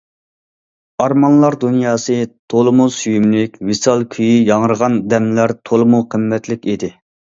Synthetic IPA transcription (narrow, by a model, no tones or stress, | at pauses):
ɑɾmɑnlˠɑɾd̪unjɑːsɨt̪ʰolˠɨmusyjymlɪkʲvisɑlˠkʲʰyjijɑŋəɾəʁɑnd̪ɛmlæɾt̪ʰolˠəmuqʰəmːɛt̪lɪkʲid̪ɪ